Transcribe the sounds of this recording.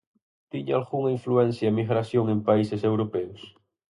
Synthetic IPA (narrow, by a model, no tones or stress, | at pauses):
t̪iɲaalɣuŋaĩɱfluɛnθjaemiɣɾaθjoŋempaisesewɾopɛʊs